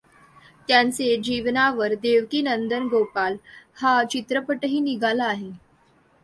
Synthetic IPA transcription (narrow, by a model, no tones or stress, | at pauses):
t̪jant͡sed͡ʑiʋnaʋəɾd̪eʋkiːnənd̪ənɡopalhat͡ɕit̪ɾəpəʈəɦiːniɡʱalaːɦe